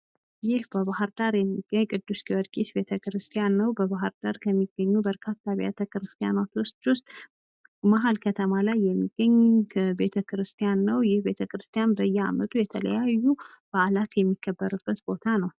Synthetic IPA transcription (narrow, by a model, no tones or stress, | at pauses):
jɪhbəβaɦɨɾd̪aɾjɛmːiɡːəɲːkʼɨd̪ːuskiwɔd̪ɡʼisbe̞t̪ʰəkɾɨst̪ʰijanːəwbəβaɦɨɾd̪aɾkʰəmːiɡ̥ːəɲːubəɾkʰat̪ʰːaβʔa̰t̪ʰəkɾɨst̪ʰija̰nat̪wʊst̪ʼwʊst̪ʼ | maɦalkʰət̪ʰəmalajːɛmːiɡ̥ːəɲːbe̞t̪ʰəkɨɾɨst̪ʰijanːəwjɪhbe̞t̪ʰəkɾɨst̪ijanbəjːɛa̰mət̪ʼujɛt̪ʰələ̰jajːu | b̥aʔlat̪jɛmːikːəbːəɾɨbːət̪bo̞t̪ʰanəw